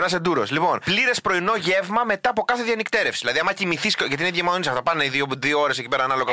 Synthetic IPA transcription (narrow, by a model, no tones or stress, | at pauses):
nɐsend̪uɾo̞slipo̞npliɾe̞spɾo̞ino̞ʝe̞vmɐme̞t̪ɐːpo̞kɐθeðjɐnikt̪e̞ɾefsi̥ðilɐðiɐmɐcimiθiscʝɐt̪̬iineʝemɐðoisɐft̪ɐpɐneiðiot̪ɾioo̞ɾe̞secipeɾɐnɐlo̞ɣɐ